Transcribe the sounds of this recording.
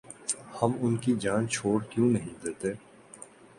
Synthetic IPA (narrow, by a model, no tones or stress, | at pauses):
hɐmʊnkid͡ʒaːnt͡ʃʰoːɽkjũːnɐɦĩd̪eːt̪eː